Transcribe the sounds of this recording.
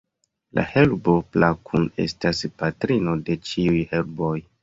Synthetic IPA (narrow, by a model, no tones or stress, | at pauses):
la̰he̞lbo̞plakʰume̞̰staspatɾino̞de̞t͡ʃiujhe̞lboj